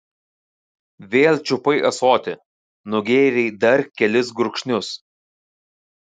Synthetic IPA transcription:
ʋʲeːlʲˠt͡ʃʲʊpɐɪʔɐsoːt̪ʲɪ | nʊɡʲeːɾʲɛɪd̪ɐɾkʲɛlʲɪsɡɾʊkʃʲnʲʊs

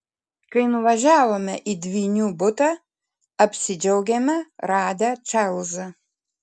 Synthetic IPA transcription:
kɐɪnʊʋɐʒʲæːʋoːmʲɛʔid̪ʲʋʲiːnʲuːbʊt̪ɐː | ɐpʲsʲɪd͡ʒʲɛʊɡʲɛmʲɛɾɑːd̪ɐt͡ʃɑlˠzɐ

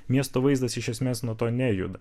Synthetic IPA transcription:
mʲiɛst̪oːʋɐɪzd̪ɐsɪʃʲɛsʲmʲeːsnuɔt̪oːnʲæjʊ̰d̪ɐ

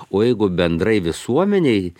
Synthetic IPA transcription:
oːjɛɪɡʊbʲɛnd̪ɾɐɪʋʲɪsuɔmʲɛnʲɛɪ

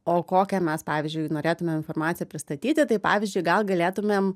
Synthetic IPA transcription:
oːkoːkʲɛmʲɛspɑːʋʲɪzʲd͡ʒʊɪnoːɾʲeːt̪ʊmʲeːmɪnfoːrmɑːt̪sʲɪjɛpʲɾʲɪst̪ɐt̪ʲiːt̪ʲɪt̪ɐɪpɑ̰ːʋʲɪzʲd͡ʒʲʊɪɡɐlˠɡɐlʲeːt̪ʊmʲeːm

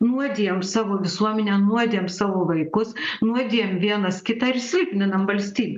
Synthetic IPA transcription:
nuɔd̪ʲijɛmsɑːʋoːʋʲɪsuɔmʲɛnʲɛnuɔd̪ʲeɛmsɑːʋoːʋɐɪkʊsnuɔd̪ʲiːjɛmʋʲiɛnɐskʲɪt̪ɑːɪɾsʲlʲpʲnʲɪnɐmʋɐlʲsʲt̪ʲiːbʲɛ

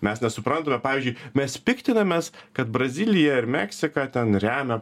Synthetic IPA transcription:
mʲɛsnʲɛsʊpɾɐnt̪ɐmʲɛpɑːʋʲiːzʲd͡ʒʲʊɪmʲɛspʲɪkt̪ʲɪnɐmʲeːskɐt̪bɾɐzʲɪlʲɪjɛɪɾmʲæksʲɪkɑt̪ʲɛnɾʲæːmʲɛ

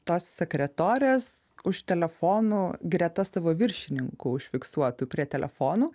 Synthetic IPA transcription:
t̪oːssʲɛkɾʲɛt̪oːɾʲeːsʊʃt̪ʲɛlʲɛfoːnuːɡɾʲɛt̪ɐsɑːʋoːʋʲɪɾʲʃʲɪnʲɪŋkʊʊʃʲfʲɪksuɔt̪uːpʲɾʲiɛt̪ʲɛlʲɛ̰foːnuː

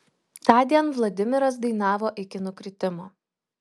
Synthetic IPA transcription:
t̪ɑːd̪ʲiɛnʋlˠɐd̪ʲɪmʲɪɾɐsd̪ɐɪn̪ɑːʋoːʔɪkʲɪnʊkɾʲɪt̪ʲɪmoː

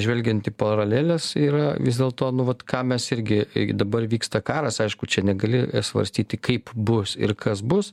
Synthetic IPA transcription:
ʒʲʋʲɛlʲɡʲɛnt̪ɪpɐɾɐlʲeːlʲɛsiːɾɐʋʲɪzʲd̪ʲeːlˠt̪oːnʊʋɐt̪kɑːmʲɛsɪɾʲɡʲɪd̪ɐbɐrʋʲiːkst̪ɐkɑːɾɐsɐɪʃkʊt͡ʃʲɛnʲɛɡɐlʲɪsʋɐ̰ɾʲsʲt̪ʲiːt̪ʲɪkɐɪpbʊsɪ̰ɾkʰɐsbʊs

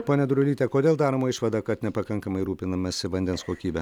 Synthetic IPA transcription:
poːnʲɛd̪ɾʲʊlʲiːt̪ʲɛkoːd̪ʲeːlˠd̪ɑːɾɐmoːɪʃʋɐd̪ɑkɐt̪nʲɛpɐkɐŋkɐmɐɪɾuːpʲɪnɐmɐsʲɪʋɐnʲd̪ʲɛnskoːkʲiːbʲɛ

